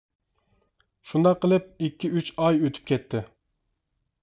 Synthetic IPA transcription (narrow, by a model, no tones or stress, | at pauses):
ʃund̪ɑqːəlˠɪp̚ikʲʰːiyt͡ʃɑjøt̪ʰy̥p̚kʲʰɛt̪ʰːɪ